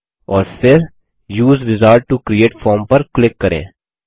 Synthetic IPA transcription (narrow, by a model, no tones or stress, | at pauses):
ɔːɾfɪɾ | juːzɾɪzaːɾɖ̚ʈukɾieːʈfɔːɾmpɐɾklɪkːɐɾḛ̃ː